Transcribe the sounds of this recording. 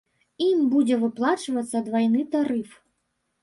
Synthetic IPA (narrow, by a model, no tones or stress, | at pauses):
imbud͡zʲɛvɨplˠat͡ʂvɐt̪sːɐd̪vajnɨt̪aɾɨf